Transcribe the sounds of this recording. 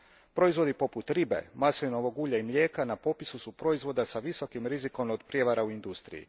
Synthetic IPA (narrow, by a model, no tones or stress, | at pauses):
pɾo̞izʋo̞d̪ipo̞put̪ɾibe̞̰masiʋnoʋo̞ɡuːʎaimʎʲe̞ːkanapo̞pisusupɾo̞izʋo̞d̪asaʋiso̞kimɾiziko̞mod̪pɾje̞ʋaɾauind̪ust̪ɾḭjḭ